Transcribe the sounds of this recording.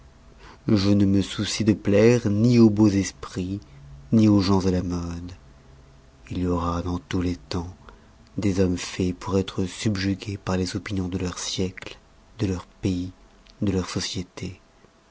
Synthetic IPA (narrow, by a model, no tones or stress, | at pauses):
ʒənəməsusid̪əplɛʁniobozɛspχinioʒɑ̃zalamɔd̪ | iljɔʁad̪ɑ̃t̪ulet̪ɑ̃ | d̪ezɔmfɛpuʁɛt̪χəsybʒyɡʲepaʁlezɔpinjɔ̃d̪əlœʁsjɛkl | d̪əlœʁpei | d̪əlœʁsɔsjet̪e